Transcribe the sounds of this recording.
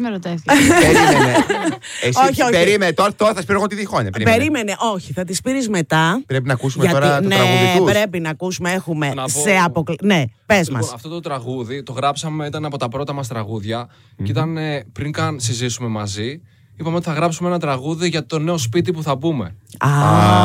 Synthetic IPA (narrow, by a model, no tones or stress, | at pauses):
meɾot̪eθiieeoçioeɾiment̪oɾɐt̪oɾɐθɐspiɾeɣo̞t̪iðixoɲɐpeɾipeɾime̞neʔo̞çiθɐt̪ispiɾizme̞t̪ɐpɾepinɐkusummeʝɐtoɾuneɾɐɣuðiupɾe̞pinɐːkusumee̞xume̞nɐse̞ɐpoklne̞pe̞zmɐ̰sɐft̪o̞t̪ot̪ɾɐɣuðit̪o̞ɣɾɐpsɐme̞it̪ɐnɐpo̞t̪ɐpɾo̞t̪ɐmɐst̪ɾɐɣuðʝɐ | it̪ɐnepɾiŋkɐnsizisume̞mɐzi | ipɐmeot̪iθɐɣɾɐpsumeenɐt̪ɾɐɣuðiʝɐt̪o̞ne̞o̞spit̪̬ipuθɐbume̞̰ɐ